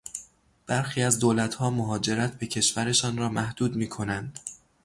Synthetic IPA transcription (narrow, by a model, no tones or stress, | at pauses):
b̥æɾxiːæzd̪oːlæt̪ʰhɒːmoɦɒːd͡ʒe̞ɾæt̪ʰbe̞cʰe̞ʃvæɾe̞ʃɒːnɾɒːmæhd̪̥uːd̪miːkʰo̞nænd̪̥